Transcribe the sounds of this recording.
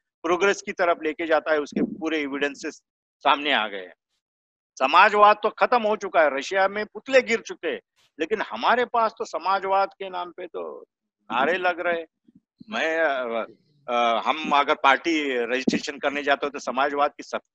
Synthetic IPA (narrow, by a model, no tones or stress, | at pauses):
pɾoːɡɾeːskit̪ɐɾəfleːked͡ʒaːt̪aɦɛʊskepuːɾeːʋɪɖə̃nse | saːmnea̰ːɡɐḛɦɛ̰̃ | sɐmaːd͡ʒʋaːd̪̚t̪okʰɐt̪əmɦot͡ʃʊkaɦɛɾɐʃjamẽpʊt̪ʰleɡɪɾt͡ʃʊkeɦɛ̰̃ː | leːkɪnhɐmaːɾepaːst̪osɐmaːd͡ʒʋaːd̪kenaːmpet̪o̰ | na̰ːɾelɐɡɾɐɦe | mɛ̃ː | ɦɐmɐɡəɾpaːɾʈiɾed͡ʒɪsʈɾeːʃənkɐɾned͡ʒaːt̪eɦɛ̃t̪osɐmaːd͡ʒʋaːd̪̚kisɐb̚